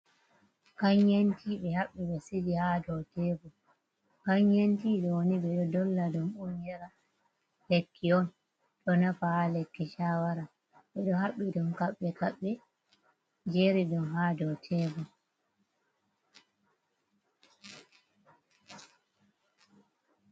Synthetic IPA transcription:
kaɲjentʰiɓɛhaɓːiɓɛsidihadɔtɛbɔ | kaɲɲentiːɗɔwoniɓɛɗɔdɔlːadumuɲjɛɾa | lɛkʰːiɔn | ɗɔnafahalɛkːɛʃawaɾa | ɓɛɗɔhaɓidumkaɓːɛkaɓːɛ | d͡ʒeɾidumɦadɔtʰɛbɔ

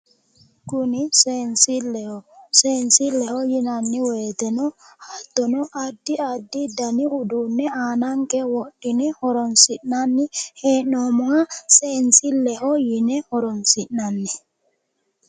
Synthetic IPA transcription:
kunisensilːɛhɔsɛnsilːɛhɔjinanːiweːt̪ɛnɔhat̪ːɔnɔʔadːiadːidaniudunːɛanaŋkɛwoɗːinɛhɔɾɔnsinanːihɛnɔmɔŋasensilːɛhɔjinɛhɔɾɔnsinːanːi

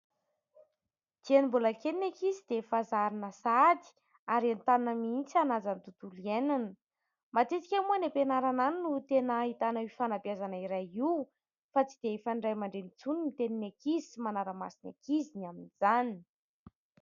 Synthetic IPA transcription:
d̪̥ianimbulakeninekizid̪efazaɾinəsad̪i̥ | aɾant̪annəmiint͡sianazant̪ut̪ulienanə | mat̪et͡si̥kʲamuanepenaɾananinut̪enəɦit̪anaifanapjazanaiɾajiw | fat͡sid̪̥eefaɳɖ͡ʐajmaɳɖ͡ʐenit͡sunimit̪eninekizi̥manaɾəma̰sina̰kizinaminizani

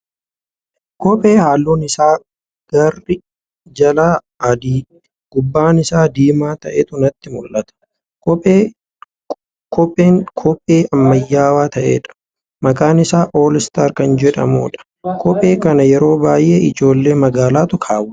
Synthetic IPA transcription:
kɔpʼe̞ːhaːlːoːnɪsaː | ɡ̥ɐrːɪ | d͡ʒɐlaː | ɐd̪iː | ɡ̥ʊbːaːnɪsaːd̪iːmaːt̪ɐʔeːt̪ʊnɐt̪ːɪmʊlːʔɐt̪ɐ̥ | kɔpʼeː | kʰɔpʼːeːŋkʰɔpʼːeːʔɐmːɐjːaːwaːt̪ɐʔḛːᶑɐ̥ | mɐkʼaːnɪsaːʔoːlɪst̪ɐɾkɐnd͡ʒɛᶑɐ̰mo̰ːᶑɐ̥ | kʰɔpʼe̞ːkɐnɐjɛɾo̞ːbaːjʔeːɪd͡ʒo̞ːlːe̞ːmɐɡaːlaːt̪ʊkʰaːwʊ

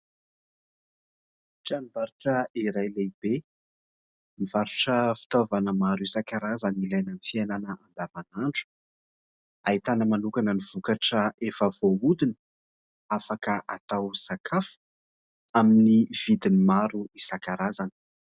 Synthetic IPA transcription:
ʈ͡ʂanivaɾuʈ͡ʂəiɾajleibe | nivaɾuʈ͡ʂəfi̥t̪ovanəmaɾuisakaɾazanilajnənifiananəand̪avanaɳʈ͡ʂu̥ | ait̪anəmanukanəniv̥ukaʈ͡ʂəʔefəv̥oud̪in | afakəʔat̪awsakʰafu̥ | aminiv̥id̪inimaɾuisakaɾazanə̥

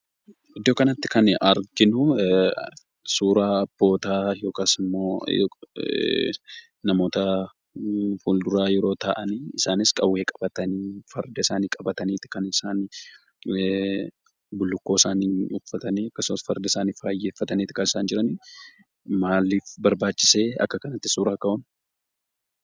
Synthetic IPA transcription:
ɪd̪ːo̞ːkɐnɐt̪ːɪ̥kɐnɐɾɡɪnʊ | suːɾaːɐbːo̞ːt̪aːjo̞ːkaːsɪmːo̰ː | nɐmo̞ːt̪ɐ | huːld̪ʊɾaːjɛɾo̞ːt̪aʔɐniːɪsaːnɪskʼɐwːeːkʼɐbɐt̪ɐniːfɐɾd̪ɐɪsaːniːkʼɐbɐt̪ɐniːt̪ɪ̥kɐnɪsaːn | bʊlːʊkːo̞ːsaːniːʊfːɐt̪ɐniːɐkːɐsʊmɐsfɐɾd̪ɐɪsaːniːfaːjːeːfːɐt̪ɐniːt̪ɪkɐnɪsaːnd͡ʒɪɾɐni | maːlːiːfbɐɾbaːt͡ʃːɪ̥seːɐ̰kːɐkɐnɐt̪ːɪ̥suːɾaːkɐʔʊn

